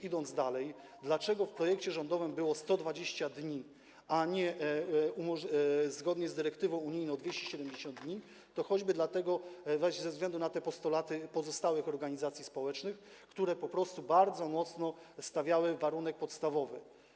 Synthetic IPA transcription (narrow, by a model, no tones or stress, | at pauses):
id̪ɔnzd̪alɛj | d̪lat͡ʂɛɡɔfpɾɔjɛkt͡ɕɛʐɔnd̪ɔvɘmbɘwɔst̪ɔd̪vad͡ʑeɕt͡ɕad̪ɲi | aɲɛumɔʐzɡɔd̪ɲɛzd̪ɘɾɛkt̪ɘvɔ̃w̃uɲijnɔ̃w̃d̪vʲeɕt͡ɕɛɕɛd̪ɛmd͡ʑeɕɔnd̪d̪ɲi | t̪ɔxɔd͡ʑbɘd̪lat̪ɛɡɔvɛɕzɛvzɡlɛnd̪unat̪ɛpɔst̪ɔlat̪ɘpɔzɔst̪awɘxɔɾɡaɲizat̪sʲjispɔwɛt͡ʂnɘxkt̪uɾɛpɔpɾɔst̪ubaɾd̪zɔmɔt̪snɔst̪avʲjawɘvaɾunɛk̚pɔt̪st̪avɔvɘ